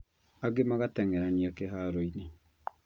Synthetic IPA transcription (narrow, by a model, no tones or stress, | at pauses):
aɡemaɣatɛŋɛɾaniakeɦaɾoine